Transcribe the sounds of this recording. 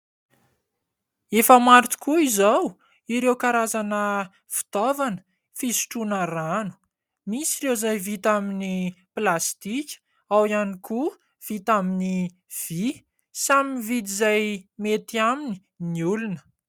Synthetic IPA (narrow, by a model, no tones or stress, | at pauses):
efəmaɾt̪u̥kuizaw | iɾewkaɾazanə | fi̥t̪ovanə̥ | fisi̥ʈ͡ʂunəranu̥ | misirewzajvit̪aminiplast̪ikʲə̥ | awianiku | v̥it̪amini | v̥i | saminvid̪izajmet̪iamini̥ | niulunə̥